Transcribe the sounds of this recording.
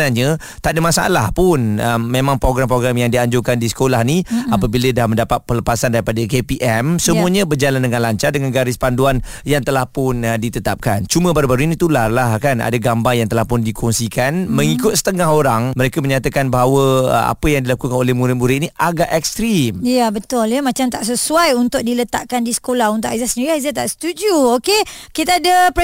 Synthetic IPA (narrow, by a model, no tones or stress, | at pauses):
naɲə | t̪aʔdəmasaa̰lahpʊnəmːemãŋpɾoɡɾamp̬ɾoɡɾamjaŋdiaɲd͡ʒʊŋkandisə̥kolahniapəbilədahməndapat̪̚pələpasandaɾipadəkepiʔɛmsəmuəɲəbərd͡ʒalandəŋanlaɲt͡ʃardəŋanɡaɾɪspanduanjaŋt̪əlahpʊndit̪ət̪ap̚kant͡ʃumə̃baɾubaɾuinit̪ulalahkana̰daɡambaŋjaŋt̪əlahpʊndikʰɔŋsikanməŋikʊt̪̚sə̥t̪əŋaɦoɾaŋməɾekəməɲat̪akanbaɦawəa̰pəjaŋdilakukanolɛmuɾɪmbuɾɪt̪iniʔaɡaʔɛk̚st̪ɾimjabət̪ʊljamãt͡ʃamt̪aʔsəsuajunt̪ʊk̚dilət̪a̰ʔkandisə̥kolaɦunt̪ʊʔazasəniɾiaizat̪aʔst̪ud͡ʒjuokekit̪aadəpɛ